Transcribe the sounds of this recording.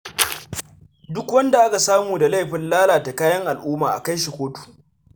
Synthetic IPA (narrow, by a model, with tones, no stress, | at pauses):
dʊ˦kwɐ˦nda˨ʔa˦ka˨saː˦muː˨da˨la˦˨jɸɪ˨nlaː˦laː˨ta˨kaː˦jɐ˦ŋʔa˨lʔuː˦maː˨ʔa̰˨ka˦jʃ̬i˨kʷoː˦tu̥ː˨